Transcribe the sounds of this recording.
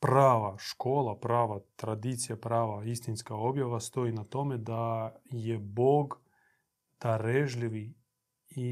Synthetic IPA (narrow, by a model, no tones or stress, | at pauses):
pɾavɐʂkolˠɐpɾavɐt̪ɾɐd̪ʲit̪sɨjɐpɾavɐist̪ɪnskɐjobʲjɐvɐst̪oinɐt̪omɪd̪ajɛboɡ | d̪̥ɐɾɛʐlʲɪvɨ | i